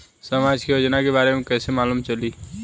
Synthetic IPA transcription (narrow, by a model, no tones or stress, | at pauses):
səmad͡ʒkejod͡ʒnakebaːɾemẽkɛːsemaːlumt͡ʃəliː